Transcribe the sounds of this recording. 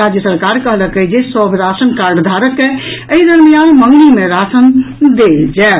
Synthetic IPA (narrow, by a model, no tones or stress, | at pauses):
ɾad͡ʒjəsəɾkaɾkəɦləkəd͡ʒesɔbʱɾasənkaɾɖd̪ʱaɾəkeəiɾənmijanməŋɡlimeɾasənd̪eld͡ʒɛ